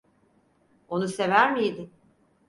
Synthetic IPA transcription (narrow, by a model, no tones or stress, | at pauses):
o̞nuse̞væɾmijd̪im